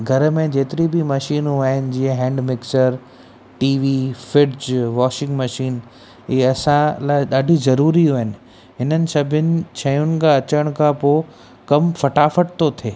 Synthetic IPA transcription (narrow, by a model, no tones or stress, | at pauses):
ɡʱɐɾmẽd͡ʑeːt̪ɪɾibimɐʃiːnɦuaːɦɪnɪ̆d͡ʑĩːə̃ɦɛ̃ːɳɖmɪksəɾ | ʈiːʋiːfɪʈd͡ʑʋaːʃɪ̃ŋɡmɐʃiːn | iːɐsãlaːɗaːɖʱizɐɾuːɾiɦuːɦɪnɪ̆ | ɦɪnənɪ̆sɐbʱʊnɪ̆t͡ɕʰɐj̃ʊnɪ̆kʰãɐt͡ɕəɽ̃kʰãːpoː | kɐmfɐʈaːfəʈ̚t̪ot̪ʰeː